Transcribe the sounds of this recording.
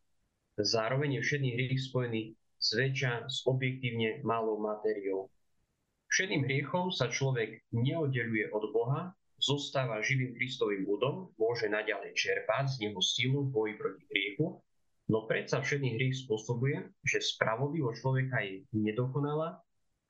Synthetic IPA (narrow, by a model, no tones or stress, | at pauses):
zaːɾɔʋɛɲjɛfʃɛd̪niɦɾɪɛxspɔjɛni | z̥ʋɛt͡ʃaz̥ɔbjɛk̚t̪iːʊɲɛmalɔʊmat̪ɛɾiɔʊ | fʃɛd̪niːmɦɾɪɛxɔmsat͡ʃlɔʋɛɡɲɛɔd̪̚ɟɛʎujɛʔɔd̪bɔɦa | z̥ɔst̪aːʋaʒiʋiːmkɾist̪ɔʋiːmlud̪ɔmːʊɔʒɛnaɟalɛjt͡ʃɛɾpaɟzɲɛɦɔsiluvbɔjipɾɔciɦɾɪɛxu | nɔpɾɛt̪safʃɛd̪niɦɾɪɛxs̬pʊɔsɔbujɛʒɛspɾaʋɔd̪liʋɔt͡ʃlɔʋɛkajɛɲɛd̪ɔkɔnalaː